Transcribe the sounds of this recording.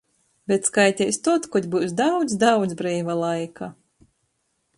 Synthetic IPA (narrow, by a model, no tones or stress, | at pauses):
bʲet̪skajt̪ʲɛjst̪ɔt̪kɔd̪ʲbuwsd̪awd̪zd̪awd̪zbɾiːvalˠajka